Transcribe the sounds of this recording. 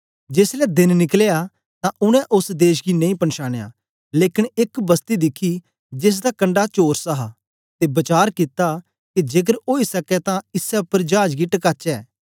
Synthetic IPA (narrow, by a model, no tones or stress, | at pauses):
d͡ʒeːslɛd̪ɪnnɪkleja | t̪ãʔʊñɛ̃ʔʊsd̪eːʃɡinɐ̃ĩpɐnʃaːñeja̰ː | leːkɪnɪkbɐst̪id̪ɪkʰi | d͡ʒes̬d̪akɐ̃ɳɖat͡ʃoːɾsɐɦa | t̪ebɐt͡ʃaːɾkɪt̪a | kid͡ʒeːk̬əɾoːisɐkɛt̪ãɪsɛʊpːəɾd͡ʒaːd͡ʒɡiʈɐkaːt͡ʃɛː